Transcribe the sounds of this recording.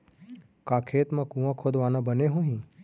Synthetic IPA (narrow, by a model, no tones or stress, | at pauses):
kaːkʰeːt̪mãkũʋãkʰoːd̪ʋaːnãbəneɦõɦĩː